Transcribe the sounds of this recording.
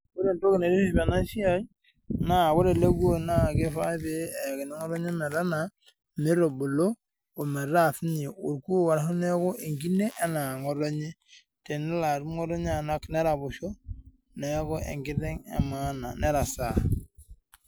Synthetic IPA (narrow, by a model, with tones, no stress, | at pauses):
ko˦ɾe˨n˨to˦ki˨ne˨ɾi˦mi˨ba˨na˦ʃi˦a˦j | na˦˨wo˦ɾe˨le˦ɡu˦o˦na˦kɪ˦fa˦be˦˨ki˨ne˦ŋɔ˦ɾo˦ɲe˦me˨ɾa˦na˨ | me˦ɾo˨bo˨lo˦ | o˨me˨ɾa˦˨θi˦ne˨o˨ɾku˦o˦wa˨ɾa˦hu˦ne˦ko˦ʔe˨ŋɡi˦ne˦ʔe˦na˨ŋo˨ɾo˦ɲe˦ | te˨nɛ˦la˨ɾŋo˦ɾo˦ɲ˦a˦˨na˦kne˦ɾa˨bʊ˨ʃo˦ | ne˨˦ko˦ʔḛ˨ŋɡɪ˦ɾe˦ŋḛ˨ma˦na̰˨ne˦ɾa˨sa˨